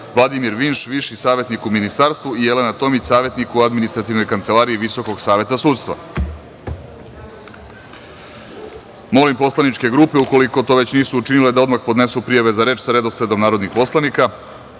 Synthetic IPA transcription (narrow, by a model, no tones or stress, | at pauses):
ʋlˠad̪imiɾʋinʃʋiʃisaːʋe̞t̪nikuminist̪aːɾst̪ʋuije̞lenat̪o̞mit͡ɕsaːʋe̞t̪nikuad̪minist̪ɾat̪iʋno̞jkant̪se̞laːɾiiʋiso̞ko̞ɡsaːʋe̞t̪asuːt̪st̪ʋa̰ | mo̞limpo̞slˠanit͡ʃke̞ɡɾuːpe̞uko̞liko̞t̪o̞ːʋe̞t͡ɕniːsuːt͡ʃinile̞d̪ao̞d̪maxpo̞d̪ne̞supɾijaʋe̞zaɾe̞ːt͡ʃsaɾe̞d̪o̞sɾed̪o̞mnaːɾod̪nixpo̞slˠanika